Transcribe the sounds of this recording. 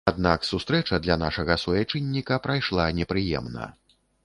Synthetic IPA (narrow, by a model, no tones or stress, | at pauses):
ad̪naksust̪ɾɛt͡ʂɐd̪lʲanaʂɐɣɐsujat͡ʂɨnʲːikɐpɾajʂlˠanʲɛpɾɨjɛ̰mnɐ̰